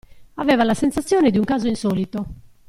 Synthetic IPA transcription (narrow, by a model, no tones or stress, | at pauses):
avɛːvalasensat̪sːjɔːned̪iuŋkaːzoinsɔːlit̪o